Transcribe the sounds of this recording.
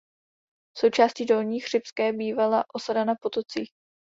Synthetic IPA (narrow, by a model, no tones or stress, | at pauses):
fso̞wt͡ʃaːscido̞lɲiːxr̝̥ɪpskɛːbiːvalaʔo̞sadanapo̞t̪o̞t͡siːx